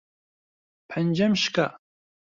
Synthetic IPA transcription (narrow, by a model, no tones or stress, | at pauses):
pʰand͡ʒamʃka